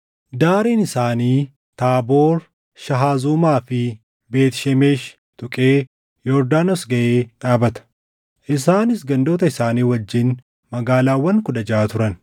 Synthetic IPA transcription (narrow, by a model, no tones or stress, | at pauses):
d̪aːɾiːnɪsaːniː | t̪aːbo̞ːɾ | ʃɐɦaːzuːmaːfɪ | be̞ːt̪ʃɛmeːʃ | t̪ʊkʼe̞ː | jɔɾd̪aːnosɡɐʔeːᶑaːbɐt̪ɐ̥ | ʔɪsaːnɪsɡɐnd̪o̞ːt̪ɐɪsaːniːwɐd͡ʒːɪn | mɐɡaːlaːwːɐŋkʊᶑɐd͡ʒaːt̪ʊɾɐn